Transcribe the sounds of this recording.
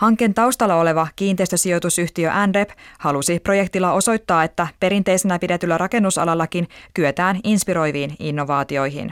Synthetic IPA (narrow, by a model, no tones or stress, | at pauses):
hɑŋkːˑe̞nt̪ɑuwst̪ɑlːɑo̞le̞ʋɑkiːnt̪e̞ist̪ø̞sio̞t̪usyht̪iøʔænre̞phɑlusipro̞je̞kt̪ilːɑo̞so̞jt̪ːɑːe̞t̪ːæpe̞ɾint̪e̞jse̞næpidet̪ylːæɾɑke̞nːusɑ̰lɑlːɑkinkyøt̪æːninspiɾo̞jʋiːninːo̞ʋɑːt̪io̞jɦḭn